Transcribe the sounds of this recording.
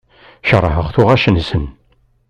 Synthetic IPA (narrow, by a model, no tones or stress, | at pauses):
ʃərˤːəɦəʁθʊʁæʃənsən